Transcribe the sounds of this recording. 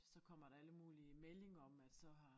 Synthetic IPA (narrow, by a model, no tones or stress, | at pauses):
sɒ̽kʰɒ̽m̰ɐd̥ɑ̈æləmuːliəmele̝ŋɐɒ̽mæd̥sɒ̽ɦɑ̈